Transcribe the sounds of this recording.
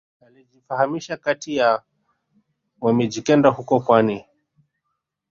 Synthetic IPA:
alid͡ʒifahamiʃakatija | wamɛd͡ʒikɛndahukɔpwani

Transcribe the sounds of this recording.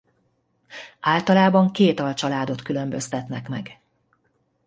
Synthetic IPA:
aːlt̪ɒlaːbɒŋkeːt̪ɒlt͡ʃɒlaːd̪ot̪kylø̞mbø̞st̪ɛt̪nɛkmɛ̰ɡ

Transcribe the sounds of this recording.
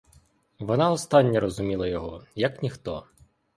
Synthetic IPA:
ʋɔnɑɔst̪ɑnʲːɐɾɔzʊmʲilˠɐjɔɦɔjɐknʲixt̪ɔ

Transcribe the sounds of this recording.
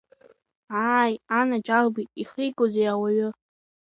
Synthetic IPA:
ajanat͡ʃʼalbitʼiχijkʷʼozejawaɥʊ

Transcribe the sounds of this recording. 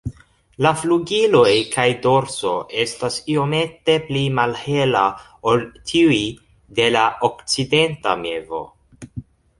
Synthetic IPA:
lafluɡilo̞jkʰajdo̞ɾso̞ʔe̞stasio̞me̞te̞plimalhe̞la | oltʰiuj | de̞laʔokt͡side̞nta̰me̞vo̞̰

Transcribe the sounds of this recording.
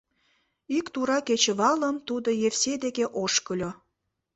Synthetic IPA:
ikt̪uɾɑket͡ɕəβɑləmt̪ud̪ojefsed̪ekeʔoʃkəlʲo

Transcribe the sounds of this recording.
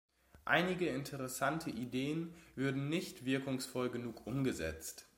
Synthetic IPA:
ʔa̰ɪnɪɡəɪntʰəʁ̞ɛsantʰəʔideːənvʏɐdn̩nɪçtv̥ɪɐkʊŋsfɔlɡənuːkʔʊmɡəzɛ̰t͡st

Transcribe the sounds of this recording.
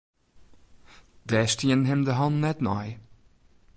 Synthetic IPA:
d̥ɛːstiənɦɛmdəɦɑnnɛtnɔj

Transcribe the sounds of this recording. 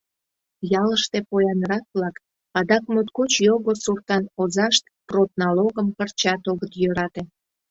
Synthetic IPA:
jɑləʃt̪epojɑnɾɑk̚βlɑk | ɑd̪ɑkmut̪kut͡ɕjoɣosurt̪ɑnozɑʃt̪̚prot̪nɑloɣəmkərt͡ɕɑt̪oɣət̪jøɾɑt̪e

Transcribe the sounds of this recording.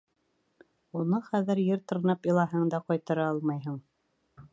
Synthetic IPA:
unɤχæðɘɾjɘɾt̪ɤ̆ɾnɑpjɤ̆lˠɑɦɤɴd̪ɑqɑjt̪ɤ̆ɾɑɑlˠmɑjɦɤɴ

